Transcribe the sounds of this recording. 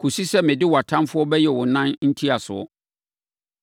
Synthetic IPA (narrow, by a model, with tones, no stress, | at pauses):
kʰu˨si˦sɛ˦mɪ̃˨dɪ˦wa˨tʰã˦mfʊ˦ɔ˦bɛ˦jɛ˨wʊ˨nã˦nn̩˦tʰi˦a˨sʊ̰˨ɔ̰˦